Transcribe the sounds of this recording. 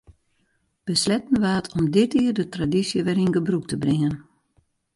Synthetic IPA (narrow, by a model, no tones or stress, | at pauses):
b̥əslɛtən̩ʋaːətʰɔmdɪtɪːrdətradisjəʋɛrinɡəbruk̚təbrɪŋən